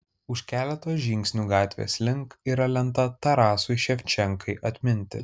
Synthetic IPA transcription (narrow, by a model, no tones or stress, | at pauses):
ʊʃʲkʲæːlʲɛt̪oːsʒʲɪŋʲksʲnʲuːɡɑːt̪ʲʋʲḛːslʲɪŋkiɾɐlʲɛnt̪ɐt̪ɐɾɑːsʊɪʃʲɛfʲt͡ʃʲɛŋkɐɪʔɐt̪ʲmʲɪnʲt̪ʲɪ̰